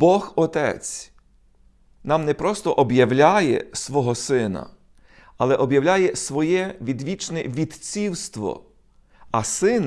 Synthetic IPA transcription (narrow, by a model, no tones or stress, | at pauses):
bɔxɔt̪ɛ̰t͡sʲ | nɑmnɛpɾɔst̪ɔʔɔbjɐwlʲajɛ̰sʋɔɦɔsɪnɐ̰ | ɐlˠɛʔɔbjɐwlʲajɛsʋɔjɛʋʲid̪ʋʲit͡ʃnɛʋʲid̪t͡sʲiwst̪ʋɔ̰ | ɐsɪn